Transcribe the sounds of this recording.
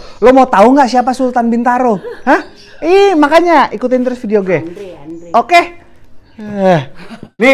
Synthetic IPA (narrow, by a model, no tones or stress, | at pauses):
lomat̪auŋɡaʔsiap̬asulut̪anbint̪aɾoha | imakaɲaʔikut̪ɪnt̪əɾʊsfidioɡɛ | oke | ni